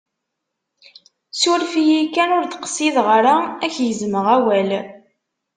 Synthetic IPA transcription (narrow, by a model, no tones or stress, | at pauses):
sʊɾfijikːænʊɾd̪qsiðʁəɾaæçjəzməʁæwæl